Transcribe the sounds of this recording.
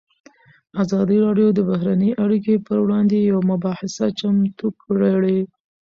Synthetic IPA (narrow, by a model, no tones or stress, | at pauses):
azɑd̪iɾɑɖjod̪əbaɦɾanəjʔaɽikepəɾwɽɑnd̪ejawmʊbɑhɪsat͡ʃamt̪ukɽaɽe